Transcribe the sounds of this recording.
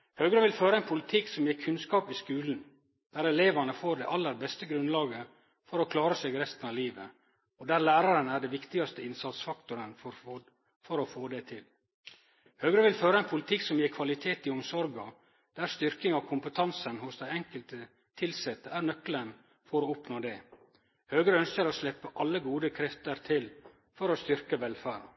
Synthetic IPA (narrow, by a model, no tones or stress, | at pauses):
høːɡɾəʋɪlføːɾəɛnpʰʊlɪt̪ʰɪksɔmjeːɾkʰʉnskɑːpɪskʉːln̩ | d̪̥æːɾɛleːʋɑɳəfoːɖɛʔɑlːəɾbɛst̪əɡɾʉnlɑːɡə | fɔɾɔkʰlɑːɾəseːɡɾɛst̪ənɑːʋliːʋə̰ | ɔd̪æːɾlæːɾɑɾənæɖɛʋɪkt̪ɪɡɑst̪əɪnsɑt̪sfɑkt̪ʊɾənfɔɾ | fɔɾɔfoːd̪ɛt̪ʰɪl | høːɡɾəʋɪlføːɾɑɛnpʰʊlɪt̪ʰɪksɔmjeːɾkʰʋɑlɪt̪ʰeːt̪ɪʊmsɔɾɡɑ | d̪̥æɾst̪ʏɾkɪŋɑkʰʊmpət̪ʰɑnsənhʊsd̪æɪɛŋkəlt̪ə | t̪ʰɪlsɛt̪ːəæɾnœklən | fɔɾoːɔpnoːd̪ɛ | høːɡɾəœnskəɾoslɛpːəʔɑlːəɡuːd̪əkʰɾɛft̪əɾt̪ʰɪl | fɔɾost̪ʏɾkəʋɛlfæːɾɑ̰